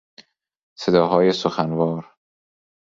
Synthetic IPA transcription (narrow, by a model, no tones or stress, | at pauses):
se̞d̪ɒːɦɒːjesoxænvɒːɾ